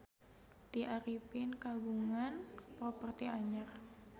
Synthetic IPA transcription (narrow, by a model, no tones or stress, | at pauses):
t̪iʔaɾipɪnkaɡuŋanpɾopərt̪iaɲar